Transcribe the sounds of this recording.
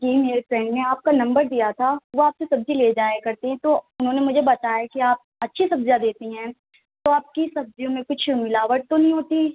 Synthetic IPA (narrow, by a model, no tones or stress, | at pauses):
d͡ʒimeːɾefɾɛ̃ːɳɖneaːp̚kanɐ̃mbəɾd̪ijat̪ʰaʋoaːpsesɐbd͡ʒʱileːd͡ʒaːekɐɾt̪eɦɛ̃t̪oːʊnɦõnemʊd͡ʒʱebɐt̪aːjakiaːp̚ɐtːʃʰisɐbzjad̪eːt̪iɦɛ̃ː | t̪oaːp̚kisɐb̚zijõmẽkʊt͡ʃʰmɪlaːʋəʈ̚t̪onɐɦĩɦoːt̪i